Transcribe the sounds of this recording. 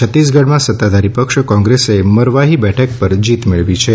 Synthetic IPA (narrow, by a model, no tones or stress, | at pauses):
ət̪ːisɡʱəɽmãsət̪ːad̪aɾipəkʃkɔ̃ŋɡɾeseməɾʋaɦibɛʈʰək̚pəɾd͡ʒit̪meɭʋit͡ʃʰe